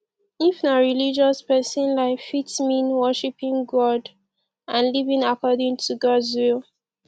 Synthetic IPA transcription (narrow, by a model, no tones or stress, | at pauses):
ifnaɹilid͡ʒɔspɛsɔ̃nlaɪfitsmĩnwɜʃipĩŋɡɔd | ãnlivĩŋakɔdĩŋtʰuɡɔdzwil